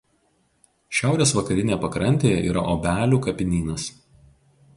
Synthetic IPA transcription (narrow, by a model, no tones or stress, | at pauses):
ʃʲæˑʊɾʲeːsʋɐkɐɾʲɪnʲejpɐkɾɐnʲt̪ʲeːjɛʔḭːɾɐ̰ʔobʲæːlʲuːkɐpʲɪnʲiːnɐs